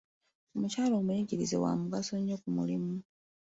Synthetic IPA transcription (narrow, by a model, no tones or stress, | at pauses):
omucaːlo̞ːmuiɟiɾize̞̰wa̰muɡasoɲokumṵlimu